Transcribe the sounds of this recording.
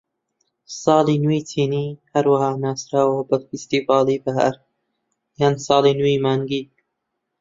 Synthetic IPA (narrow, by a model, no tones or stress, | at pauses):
sɑːlˠiːnuitʰiːniːhɐɾwahɑːnaːsɾaːwəbɐfist̪iːvɑːlˠiːbɐɦɐ̰ɾ | jansɑːliːnuimaːŋɡiː